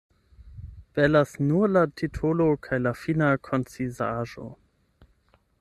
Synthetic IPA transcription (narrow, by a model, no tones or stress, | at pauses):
v̥ɛlasnulatʰitʰolokʰajlafinakʰont͡sizaʒo̰